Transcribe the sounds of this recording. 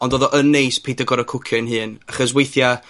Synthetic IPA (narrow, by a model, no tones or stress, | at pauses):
ɔndɔðɔʔənːejspʰedəɡɔɾəkʰʊkʰɪnɦɨːnaχɔswejθja